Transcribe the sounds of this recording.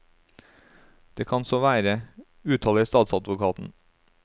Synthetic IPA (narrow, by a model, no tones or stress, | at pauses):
d̪̥eːkʰɑnsoʋæːɾə | ʉːt̪ʰɑːləiːst̪ɑːt̪sɑd̪ʋʊkʰɑːt̪n̩